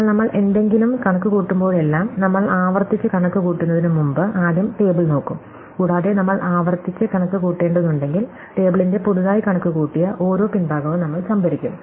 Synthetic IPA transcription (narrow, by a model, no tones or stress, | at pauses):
ɭnɐmːɐɭʔe̞nd̪e̞ŋɡilumkɐɳɐkːɨkuːʈːumbo̞ːɭe̞lːaːmnɐmːɐɭaːʋɐrt̪it͡ɕːɨkɐɳɐkːɨkuːʈːunːɐðinɨmumbɨʔaːd̪jɐmʈe̞ːbiɭno̞ːkːum | kuːɽaːðenɐmːɐɭʔaːʋɐrt̪ːit͡ɕːɨkɐɳɐkːɨkuːʈːe̞ːɳɖɐðuɳɖe̞ŋɡil | ʈe̞ːbiɭinde̞puɽuðaːjikɐɳɐkːɨkuːʈːijɐʔo̞ːɾo̞ːpinbʱaːɡɐʋɨnɐmːɐɭt͡ɕɐmbɐɾikʲːum